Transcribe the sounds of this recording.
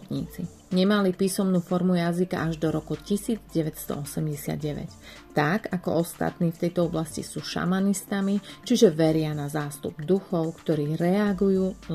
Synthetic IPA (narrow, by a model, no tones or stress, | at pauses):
t̪ɲḭːt͡si | ɲɛmalipiːsɔmnuːfɔɾmujazika̰ʔaʒd̪ɔɾɔkucisiːd͡zɟɛʋɛcst̪ɔ̰ɔsɛmɟɛsɪa̰d̪ɟɛʋɛ̰c | t̪aɡakɔ̰ɔst̪a̰t̪niːft̪ɛjt̪ɔɔblascḭsuːʃa̰manist̪amit͡ʃiʒɛʋɛɾɪanazaːst̪ṵbd̪uxɔʊkt̪ɔɾiːɾɛaɡujuːl